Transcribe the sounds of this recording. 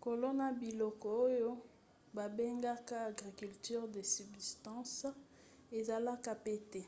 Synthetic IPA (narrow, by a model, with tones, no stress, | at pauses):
ko˨lo˦na˨bi˨lɔ˨kɔ˨o˦jo˦ | ba˨be˦ŋɡa˦ka˦a˨ɡʁi˨ky˨lty˦ʁde˨sy˨bzi˨stɑ̃˦s | e˨za˨la˦ka˦pe˦tɛ˨